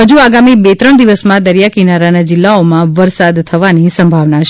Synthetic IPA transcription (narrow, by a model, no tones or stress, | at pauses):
ɦəd͡ʒuaɡamibet̪ɾəɳd̪iʋəsmãd̪əɾjakinaɾanad͡ʒɪlːaomãʋəɾsad̪t̪ʰəʋanisəmbʱaʋnat͡ʃʰ